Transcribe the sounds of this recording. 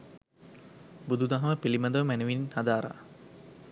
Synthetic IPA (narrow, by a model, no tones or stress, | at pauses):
bud̪ud̪aɦɐməpilimɐd̪əʋəmænəʋininhad̪aːɾa̰